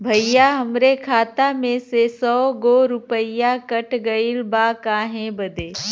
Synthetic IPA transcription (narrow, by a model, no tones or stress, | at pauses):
bʱɐijaɦəmɾekʰaːt̪amẽsesɔːɡoːɾʊpəjakɐʈʰɡəilbakaːɦẽbəd̪ʱeː